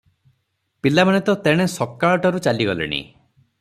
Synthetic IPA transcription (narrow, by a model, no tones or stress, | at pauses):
pilamanet̪ɔt̪eɽ̃esɔkːaɭʈɔɾut͡ʃaliɡɔlḛɽ̃ḭ